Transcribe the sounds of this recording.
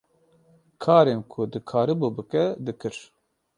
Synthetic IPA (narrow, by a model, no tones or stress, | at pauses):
kʰɑːɾenkʰʊd̪ɨkʰaːɾɨbubɨkɛd̪ɨkɨɾ